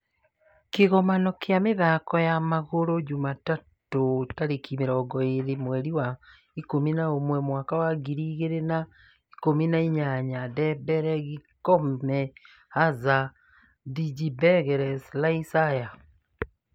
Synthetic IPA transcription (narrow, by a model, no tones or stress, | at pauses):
keɣɔmanɔkjameðakɔjamaɣoɾod͡ʒumatatotaɾekʰimeɾɔːɡɔeɾemwɛɾiwa | ikominaomwɛmwakawaɡiɾiːɣeɾena | ikominaiɲaɲadɛbɛɾɛɣikɔmɛ | haza | did͡ʒibɛɣɛɾɛslaisaja